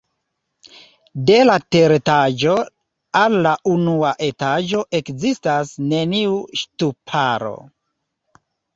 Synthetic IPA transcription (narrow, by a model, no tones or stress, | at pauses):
de̞late̞ɾtad͡ʒo | alːaʔunuaʔe̞tad͡ʒo̞ʔe̞kzistasne̞niuʃtupʰaɾo̞̰